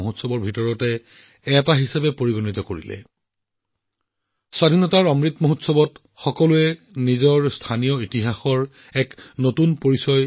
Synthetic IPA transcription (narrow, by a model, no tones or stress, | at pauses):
oɦotsɔbɔɹbʱitɔɹɔtɛ | ɛtaɦisabɛpoɹiɡonitɔkoɹḭlɛ̰ | swadʱinɔtaɹɔmɹitmoɦotsɔbɔt | xɔkɔluɛ | nizɔɹstʰanijɔitiɦaxɔɹ | ɛknotunpoɹisɔj